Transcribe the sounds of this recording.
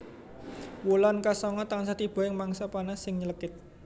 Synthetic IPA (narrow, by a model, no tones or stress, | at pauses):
wulankasɔŋɔt̪aŋsat̪ib̥ɔ̤ɪŋmaŋsapanasɪŋɲələkɪt̪̚